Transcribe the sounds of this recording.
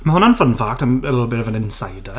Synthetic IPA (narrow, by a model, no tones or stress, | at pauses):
məhɔnanfənfaktʰanɪlˠbɪrvənɪnsajdə